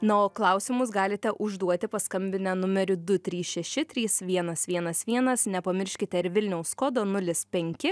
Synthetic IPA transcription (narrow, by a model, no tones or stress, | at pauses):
nooːklˠɐʊsʲɪmʊsɡɑːlʲɪt̪ʲɛʔʊʒd̪uɔt̪ʲɪpɐskɐmʲbʲɪnʲɛnʊmʲɛɾʲʊd̪ʊt̪ʲɾʲiːsʃʲɛʃʲɪt̪ʲɾʲiːsʋʲiɛnɐsʋʲiɛnɐsʋʲiɛnɐsnʲɛpɐmʲɪɾʲʃʲkʲɪt̪ʲɛɪɾʋʲɪlʲnʲɛʊskoːd̪oːnʊlʲɪspʲɛŋʲkʲɪ